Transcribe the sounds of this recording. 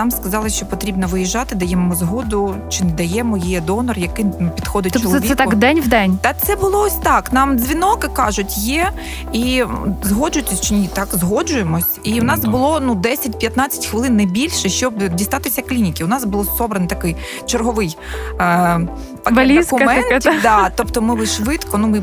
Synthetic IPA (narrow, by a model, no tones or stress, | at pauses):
nɑmskɐzɑlˠɪʃt͡ʃɔpɔt̪ɾʲibnɔʋɪjiʒɑt̪ɪd̪ɐjɛmmɔzɦɔd̪ʊt͡ʃɪnɛd̪ɐjɛmɔjijɛd̪ɔnɔrjɐkɪpʲid̪̥xɔd̪ɪt̚t͡ʃɔlɔʋʲiɛt̪akd̪ɛnʲd̪ɛnʲt̪ɐt̪sɛbʊlˠɔɔsʲt̪ɑknɑmzʲʋʲinɔkɪkɑʒʊtʲjɛ | izɦɔd͡ʒʊt̪ʲɪsʲt͡ʃɪnʲit̪ɑkzɦɔd͡ʒʊjemɔsʲiʊnɑsbʊlˠɔnud̪ɛsʲɐt̚ʲpʲjɐt̪nɑt͡sʲɐ̥tʲxʋɪlˠɪnːɐbʲilʲʃɛʃt͡ʃɔbdʲist̪ɑt̪ɪsʲɐklʲinʲikʲɪʊnɑsbʊlˠɔsɔbɾɐnt̪ɐkɪj | t͡ʃerɦɔʋɪj | t̪ɐkbɐlʲiskʊkɐmɛnɛt̪ʲd̪ɑt̪ɔpt̪ɔmɪʋɪʃʋɪt̪kɔnumɪ